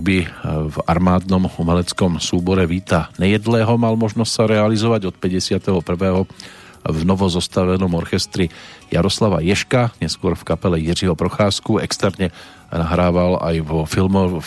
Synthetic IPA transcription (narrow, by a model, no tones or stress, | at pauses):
bivaɾmaːd̪nɔmumɛlɛt͡skɔmsuːbɔɾɛʋiːt̪aɲɛjɛd̪lɛːɦɔmalmɔʒnɔscsaɾɛalizɔʋaɟɔt̪pɛɟɛsɪat̪ɛɦɔpr̩ʋɛːɦɔ | vnɔʋɔzɔst̪aʋɛnɔmɔɾxɛst̪ɾija̰ɾɔslaʋa̰jɛʃkaɲɛskʊɔɾfkapɛlɛjiriɦɔpɾɔxaːskuɛkst̪ɛɾɲɛ | naɦɾaːʋala̰jʋɔfilmɔ